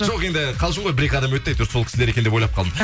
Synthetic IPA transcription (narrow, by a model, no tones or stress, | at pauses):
ʒoqe̞nd̪ɪqʰɑlˠʒ̬ʃəɴʁojbɪɾe̞kʲɑd̪ɑmwɵt̪ːejt̪ɾsokʲɪ̥sleɾekʲend̪epo̞jlˠɑpqʰɑlˠd̪ə